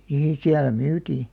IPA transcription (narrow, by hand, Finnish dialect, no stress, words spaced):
niː siælæ myːtiː